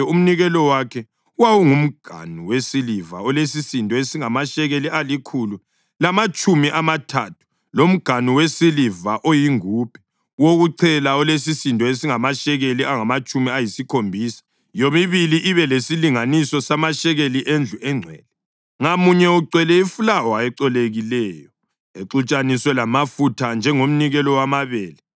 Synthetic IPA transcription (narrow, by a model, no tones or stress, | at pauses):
um̩niɣɛlɔwakʰɛ | wawuŋum̩ɡ̥ʱa̰nuwesiliva̰ɔles̬isintʼɔesiŋamaʃɛɣelialikʰulu | lamat͡ʃʼumiʔamatʰa̰tʰu̥ | lom̩ɡ̥ʱanuwesilivaʔojiŋupʰɛ̥ | woɣuǀʰɛlaɔlesisintʼɔesiŋamaʃɛɣeliaŋamat͡ʃʼumiajisikʰombʱiːsḁ | jomiβiliʔiβɛlesiliŋanisɔsamaʃɛɣeliʔend͡ɮʱuʔɛŋ͡ǀʱɛ̰ːlɛ | ŋamuɲɛuǀwɛlɛifulaɔaɛǀɔleɣilɛːjɔ | eǀut͡ʃʼanisɔlamafutʰand͡ʒʱɛŋom̩niɣɛlɔwamaβɛːlɛ